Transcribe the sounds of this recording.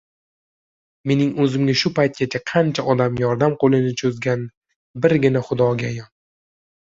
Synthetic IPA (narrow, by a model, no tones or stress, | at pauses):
me̞nɪŋɵzɪmɡʲaʃʊpajt̪̚kʲat͡ʃʰaqʰɑnt͡ʃʰaʔɒd̪amjɒɾd̪amqolɪnɪt͡ʃʰɵzɡʲan | bɪɾɡʲɪnaχʊd̪ɒɡʲajɒn